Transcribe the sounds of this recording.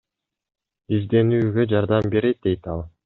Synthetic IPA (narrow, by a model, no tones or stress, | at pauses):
izd̪e̞nyːɡø̞d͡ʒɑɾd̪ɑmbe̞ɾet̪̚d̪e̞jt̪ɑlˠ